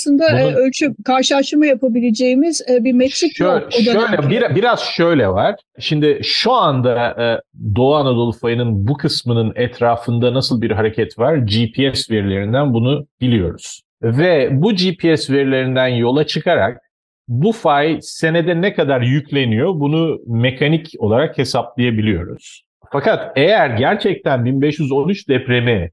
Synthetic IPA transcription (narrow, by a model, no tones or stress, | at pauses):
asˠɯnd̪abuølʲt͡ʃʰykʰaɾʃɯlˠaʃɯmajapabilʲed͡ʒejimizɛbimɛksikøood̪aøjlʲɛbiɾabiɾaz̥ʃø̞jlʲɛvaɾ̥ | ʃimd̪ɪʃuand̪a | d̪o̞anad̪o̞lˠfajɯnɯnbukʰɯsmɯnɯnɛt̪ʰɾaːfɯnd̪anasɯlˠbiɾɦaɾe̞cʰɛt̪vaɾd͡ʒipʰiɛsveɾilʲe̞ɾind̪ænbunub̥ilʲijo̞ɾuz̥ | vɛbud͡ʒipʰiɛsveɾilʲe̞ɾind̪ænjo̞lˠat͡ʃʰɯkʰaɾa̰k̚ | bufajse̞ne̞d̪ɛnɛkad̪aɾjycʰlʲe̞nijo̞bunume̞kʰanico̞lˠaɾakhe̞saplˠajabilʲijo̞ɾṵz̥ | fakat̪ejæɾɟæɾt͡ʃʰɛc̚t̪ʰænbinbɛʃjyzo̞nyt͡ʃd̪ɛpɾe̞mɛ